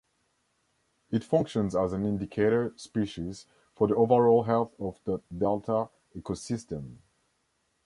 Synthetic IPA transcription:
ɨtfʌ̃ŋkʃə̃nzəzə̃nɪ̃ndɨkʰeɪɾə˞spiʃiz̥ | fə˞ðioʊvə˞ɔlˠɦɛlˠθɔvðədɛlˠtʰə | ɛkosɪstə̃m

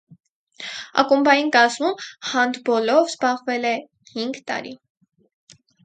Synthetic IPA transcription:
ɑ̰kumbɑjinkɑzmumhɑnd̪bɔlɔvzbɑʁvɛlɛ | hiŋɡt̪ɑ̰ɾḭ

